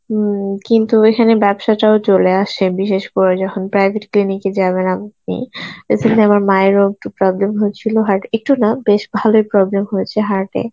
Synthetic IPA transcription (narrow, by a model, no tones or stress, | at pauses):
kint̪uekʰanebɛbʃaʈaot͡ɕoleaʃebiʃeʃkoɾed͡ʑɔkʰonpɾajbʱeʈkliniked͡ʑaβenap̚nḭḛsʰent̪eamaɾmaeɾoɡ̚ʈupɾɔblemɦoet͡ɕʰiloɦaɾʈek̚ʈunabeʃbʱalojpɾɔblemɦoet͡ɕʰeɦaɾʈḛ